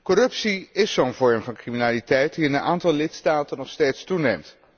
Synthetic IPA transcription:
kɔrɵpsiɪsoːnvɔɹmvɑnkriminaːlitɛjtdiɪnənaːntɑlˠlɪtstaːtənɔχstejtstunejmt

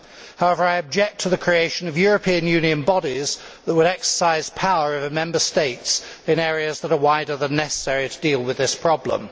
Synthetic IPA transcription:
haʊɛvə˞aɪɨb̚d͡ʒɛk̚tʰəðɨkʰɹ̥ieɪʃə̃nʌvjɔɹəpʰĩɨ̃njʉ̃niɨ̃nbɑɾizðəʔ̚wəɾɛksə̥saɪz̥pʰaʊə˞ʌvɨmɛ̃mbəsteɪts | ɨ̃nɛːɹiɨzðəɾə˞waɪɾə˞ðə̃nːɛsə̥sɛɹiɾʰədilˠwɨðɪspʰɹ̥ɒblə̰̃m

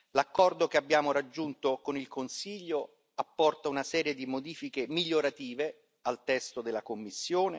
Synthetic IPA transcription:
lakːɔrd̪okeabːjaːmoɾad͡ʒːunt̪okonilkonsiʎːo | apːɔrt̪aunasɛːɾjed̪imod̪iːfikemiʎːoɾat̪iːve | alt̪ɛst̪od̪eɪlːakomːisːjoːne

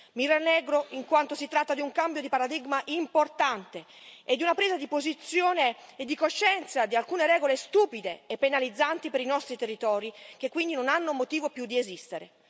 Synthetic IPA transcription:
miranːɛːɡɾoiŋkwant̪osit̪ɾat̪ːad̪iuŋkambjod̪ipaɾad̪iɡmaʔimport̪ant̪e | ed̪ːiunapɾeːzad̪ipozit̪sːjoːneed̪ːikoʃːɛnt̪sad̪ialkuːneɾɛːɡolest̪uːpid̪eːpːenalid̪zːant̪ipeɾinɔst̪ɾit̪erːit̪ɔːɾik̟ekːwind̪inonanːomot̪iːvopjud̪ːiezist̪eɾḛ

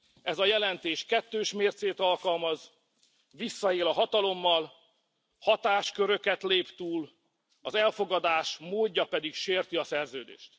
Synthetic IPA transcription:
ɛzɒjɛlɛnt̪eːʃkɛt̪ːøːʃmeːrt̪seːt̪ɒlkɒlmɒz | ʋisːɒeːlɒɦɒt̪ɒlo̞mːɒl | hɒt̪aːʃkøɾø̞kɛt̪leːpt̪uːl | ɒzɛlfo̞ɡɒd̪aːʃmoːɟːɒpɛd̪ikʃeːrt̪iɒsɛrzøːd̪ḛːʃt̪

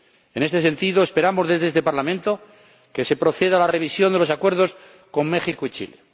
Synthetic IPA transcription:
e̞ne̞st̪es̬e̞nt̪iðo̞espe̞ɾamo̞zðe̞zðest̪e̞paɾlamẽnt̪o̞ | ke̞se̞pɾo̞θe̞ðalare̞β̞isjond̪e̞lo̞sakweɾð̞o̞s | ko̞mmːe̞xikoit͡ʃḭle

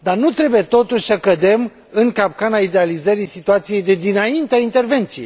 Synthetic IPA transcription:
d̪arnut̪ɾe̞buje̞t̪o̞t̪uʃʲsəkəd̪e̞m | ɨŋkap̚kanaid̪e̞alizəɾisit̪uat̪sije̞jd̪e̞d̪inaint̪eaint̪e̞rve̞nt̪sijejj

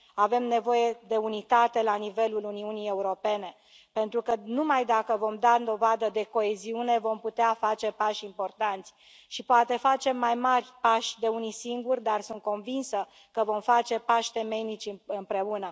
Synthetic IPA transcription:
ave̞mne̞vo̞je̞d̪e̞unit̪at̪e̞lanive̞luluniunije̞uɾo̞pe̞ne̞ | pe̞nt̪ɾukənumajd̪akəvo̞md̪and̪o̞vad̪əd̪e̞ko̞e̞ziune̞vo̞mput̪eafat͡ʃe̞paʃimpo̞rt̪ant̪sʲ | ʃipoat̪e̞fat͡ʃe̞mːajmarʲpaʃʲd̪e̞unisiŋɡurʲd̪arsunt̪̚ko̞nvinsə | kəvo̞mfat͡ʃe̞paʃʲt̪e̞me̞jnit͡ʃʲɨmpɾe̞unə

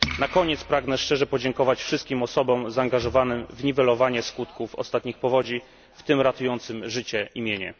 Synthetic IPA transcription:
nakɔɲɛt̪spɾaɡnɛʂt͡ʂɛʐɛpɔd͡ʑɛŋkɔvat͡ɕfʂɘst̪̚kʲimɔsɔbɔmzaːŋɡaʐɔvanɘmvɲivɛlɔvaɲɛskut̪kufɔ̰st̪at̪ɲixpɔvɔd͡ʑi | ft̪ɘmɾat̪ujɔnt̪sɘmʐɘt͡ɕɛimʲjeɲɛ̰

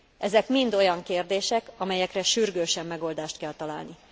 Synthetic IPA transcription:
ʔɛzɛkmind̪o̞jɒŋkeːrd̪eːʃɛkɒmɛjɛkrɛʃyrɡøːʃɛmːɛɡo̞ld̪aːʃt̪kɛlt̪ɒla̰ːlni

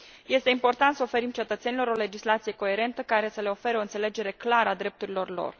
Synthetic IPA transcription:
je̞st̪e̞impo̞rt̪ant̪səofe̞ɾimt͡ʃe̞t̪ət̪se̞nilo̞ɾo̞le̞d͡ʒislat̪sije̞ko̞e̞ɾe̞nt̪əkaɾe̞səle̞o̞fe̞ɾeo̞ɨnt̪se̞le̞d͡ʒe̞ɾe̞klaɾəad̪ɾe̞p̚t̪uɾilo̞rlo̰r

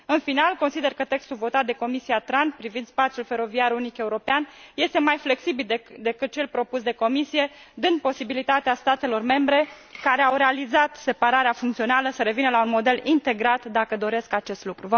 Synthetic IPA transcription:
ɨnfinalko̞nsid̪e̞rkət̪e̞kst̪ulvo̞t̪at̪̚d̪e̞ko̞misiat̪ɾanpɾivind̪spat̪sijulfe̞ɾo̞viaɾunike̞uɾo̞peanje̞st̪e̞majfle̞ksibild̪e̞kɨt̪̚t͡ʃe̞lpɾo̞pusd̪e̞ko̞misije̞ | d̪ɨnd̪̚po̞sibilit̪at̪east̪at̪e̞lo̞rme̞mbɾe̞ | kaɾeawɾe̞alizat̪se̞paɾaɾeafuŋkt̪sio̞naləsəɾe̞vinəlaunmo̞d̪e̞lint̪e̞ɡɾat̪d̪akəd̪o̞ɾe̞skat͡ʃe̞st̪lukɾuvə

